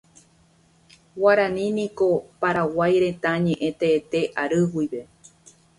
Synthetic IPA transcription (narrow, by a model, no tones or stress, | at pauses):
waɾãnĩnĩko̞paɾawajɾẽ̞t̪aɲẽʔẽ̞t̪eːt̪e̞ʔaɾɨwijʋe̞